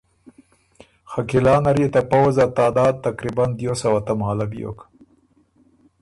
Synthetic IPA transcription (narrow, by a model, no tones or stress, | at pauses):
xakilɑːnaɾjet̪apawzat̪ɑːd̪ɑːd̪̚t̪akɾiband̪josawat̪amhalabijo̰k